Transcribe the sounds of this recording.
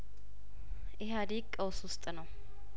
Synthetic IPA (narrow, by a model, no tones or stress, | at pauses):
ʔɪɦad̪ikʼːəwswʊst̪ʼnəw